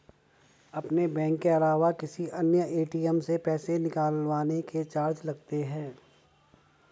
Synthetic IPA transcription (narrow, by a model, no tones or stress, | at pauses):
ɐpnebɛ̃ːŋkːeɐlaːʋakɪsiʔɐnjəʔeːʈiəmsepɛːsenɪkaːlʋaːneket͡ʃaːɾd͡ʒlɐɡt̪eɦɛ̃ː